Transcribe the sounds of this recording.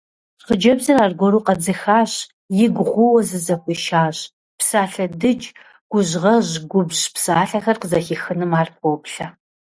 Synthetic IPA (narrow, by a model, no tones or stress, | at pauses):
χəd͡ʒɐbzɨraːrɡʷɔɾuːqɐd͡zɨxaːɕ | jɪɡʷʊʁʷʊwɐzɨzɐxʷiʃaːɕ | psaːɬɐdɨt͡ʃʼ | ɡ̥ʷʊʑʁɐʑɡʷʊbʑpsaːɬɐxɐrqəzɐxixɨnɨmaːrp̚ʷɔpɬɐ